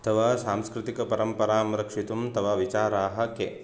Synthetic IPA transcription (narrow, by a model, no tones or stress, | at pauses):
ɐt̪ʰɐʋasaːmskɾɪt̪ikɐpɐɾɐmpɐɾaːmɾɐkʂit̪umt̪ɐʋaːʋit͡ʃaːɾaːɦɐ̆keː